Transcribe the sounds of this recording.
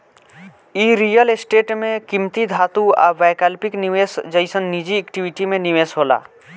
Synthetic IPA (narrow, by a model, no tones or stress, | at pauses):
iːɾijəlesʈeːʈmẽkimt̪id̪ʱaːt̪ua̰ːbajkalpɪkniʋeːsd͡ʒəɪsənːid͡ʒiɛkʈiʋɪʈimẽniʋeːsɦoːla̰ː